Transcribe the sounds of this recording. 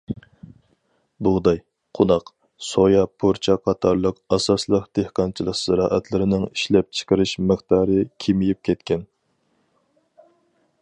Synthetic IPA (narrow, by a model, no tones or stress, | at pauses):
bud̪ɑj | qʰonɑq | sojɑpʰoɾt͡ʃʰɑqʰɑt̪ʰɑɾlˠəqɑsɑslˠəqd̪̥ehqɑnt͡ʃʰilˠəqsɨɾɑːʔɛt̪lˠɨɾɪnɪŋiʃlɛp̚t͡ʃʰə̥qəɾɨʃməχt̪ɑːɾɨkʲʰimijip̚kʲʰɛt̪kʲʰɛn